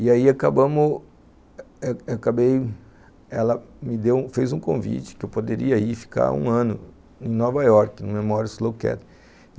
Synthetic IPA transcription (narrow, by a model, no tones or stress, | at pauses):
ɪaiakabɐ̃mʊ | akabej | ɛlɐmɪd̪ew̃fejzũkõvḭt͡ʃɪ̥kɪewpod̪eɾiɐifi̥ka̰ɾṵ̃ɐ̃nʊ | ẽnɔvajɔɾkɪnũmemɔɾɐslowkɛ̰t̪